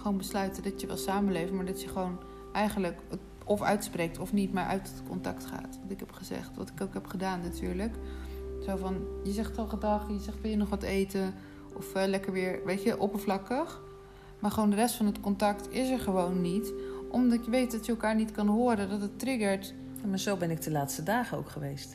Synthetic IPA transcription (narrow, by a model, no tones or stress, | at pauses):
χoːnbəslœɥtədɑtjəʋɛ̰lˠsaːmənlejftmaːɹdɑtjəχəʋown | ʔɛjχənləkə | ɔfœ̰ɥtsprejk̚tɔfnitmaːɹʔœ̰ɥt | kɔntɑktχa̰ːtʋɑntɪkɦɛpχəzɛ̰χtʋɑ̰tɪ̥kokɦɛpχədaːnːatʰy̰ːɹləktʋowvɑnjəzɛχtɑlˠχədɑχjəzɛχtʋɪlˠjənɔχʋɑtejtə | ɔfəlɛkəɹʋɪːɹʋejtjəʔɔpəvlɑkəχ | maːɹχəʋowndərɛstfɑnətkɔntɑktɪsəɹχəʋownːitʔɔmdɑtjəʋejt̚dɔtjəːlˠkaːɹnitkɑnɦʊːɾədɔtətrɪɡəɹt | jamaːɹzowbɛnɪk̚dəlaːtstədaːχəo̰wkχəʋejst